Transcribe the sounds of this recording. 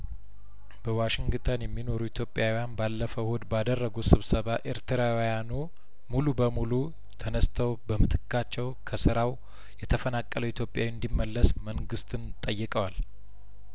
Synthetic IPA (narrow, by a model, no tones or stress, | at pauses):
b̥əwaʃɪŋɡt̪ʰənjɛmːino̞ɾuit̪ʰjo̞pʼːjawijanbalːəfəwhod̪bad̪ərːəɡusɨβsəβaʔe̞ɾt̪ʰɨɾawjanu | mulubəmulu | t̪ʰənəst̪ʰəwbəmɨt̪ʰɨ̥kːat͡ʃːɛwkʰəsɨɾaw | jɛt̪ʰəfənakʼːələwit̪ʰjo̞pʼjawind̪imːəlːəsməŋɡɨst̪ʰʼɨnt̪ʼəjːɨkʼəwal